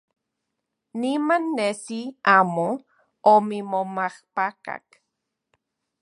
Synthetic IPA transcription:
nimanːesiaːmo | omimomahpaka̰k

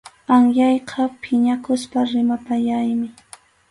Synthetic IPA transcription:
aŋjɑjqʰɑpʰɪɲakʊspaɾɪmapaʎajmɪ

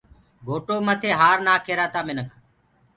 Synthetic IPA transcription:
ɡʱoːʈoːmət̪ʰeːɦaːɾnaːkʰeːɾaːt̪aːmɪnəkʰ

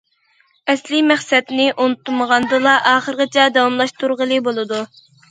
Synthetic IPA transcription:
ɛslɪmæχsɛt̪nɪʔonut̪ʰːuməʁɑnd̪ɨlˠɑʔɑːχəɾəqət͡ʃʰɛd̪ɑwɑmlˠɑʃt̪uɾʁəlˠɨbolˠɨd̪u

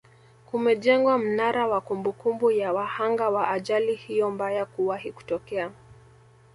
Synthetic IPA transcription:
kumɛʄɛŋɡwam̩naɾawakumbukumbujawahaŋɡawaʔːʄalihijɔmbajakuwahiku̥tɔkɛa

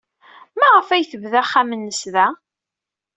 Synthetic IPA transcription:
mæʁəfæjθəvðæχːæmənːəsðæ

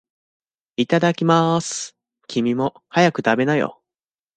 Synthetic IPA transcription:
it̪ad̪akʲimasɨ̥ | kʲʰimʲimo̞ | hajakɯ̟t̪abe̞najo̰

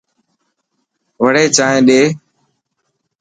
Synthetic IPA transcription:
ʋəɽeːt͡ʃaːɦẽːɗeː

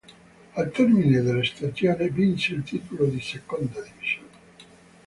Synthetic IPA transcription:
alt̪ɛrmined̪elːest̪at͡sjoːnivinseilt̪iːt̪olod̪isekond̪ad̪iviz̥joːna

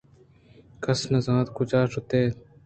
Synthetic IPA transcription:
kɐsnɐzãːt̪kʊt͡ʃaːʃʊt̪eː

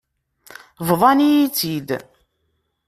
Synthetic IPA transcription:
vðˤɑnijit͡sːid̪

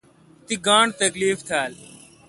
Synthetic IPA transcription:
t̪iɡãːɳt̪əkliːft̪ʰaːl

